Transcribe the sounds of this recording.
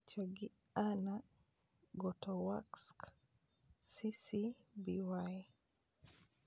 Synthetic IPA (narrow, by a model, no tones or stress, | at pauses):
t͡ʃoɡiana | ɡɔtɔwaksk | sisibiwaj